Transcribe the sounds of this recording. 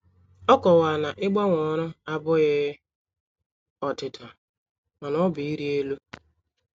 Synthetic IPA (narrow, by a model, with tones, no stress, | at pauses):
ɔ˦kɔ˨wa˨na˨ʔɪ˦ɡ͡ba˦ŋʷɔ˨ɾʊ˦a˦bʊ˦ɣɪ˦ | ɔ˨tɪ˨tʰa˨ | ma˨nɔ˦bʊ˨i˦ɾi˦e˦lu˦